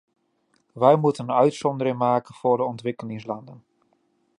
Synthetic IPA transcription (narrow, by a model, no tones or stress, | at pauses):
ʋɛjmutənœɥtsɔndəɾɪŋmaːkənv̥ʊːɹdəɔntʋɪkəlɪŋslɑndən